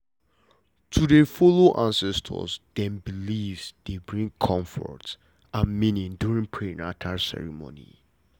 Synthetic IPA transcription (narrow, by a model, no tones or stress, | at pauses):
tʰudɛfɔloʔãnsɛstʰə̰sdɛ̃mbilivsd̥ebɹĩŋkʰɔ̃ɱfɔ̰ɹt | ãnminĩnduɹĩŋpʰɹẽnatʰasɛ̰ɹimo̰nḭ